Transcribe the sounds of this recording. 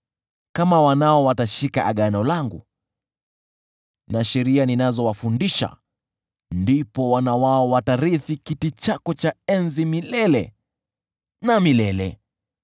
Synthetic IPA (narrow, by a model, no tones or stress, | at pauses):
kamawanaɔwataʃika̰ʔaɠanɔlaŋɡṵ | naʃɛɾianinazɔwafundiʃa̰ | ndipɔwanawaɔwataɾiθikitit͡ʃakɔt͡ʃaɛnzimilɛlɛ | namilɛlɛ